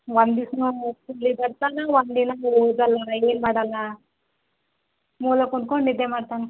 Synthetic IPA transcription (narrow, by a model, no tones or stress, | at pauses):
ʋɐnd̪isnukolibɐɾt̪aːnaʋɐnd̪inaoːd̪ɐlaeːnmaːɽɐlːa | muːlɐkoɳɖkoɳnid̪emaːɽt̪aːnɐ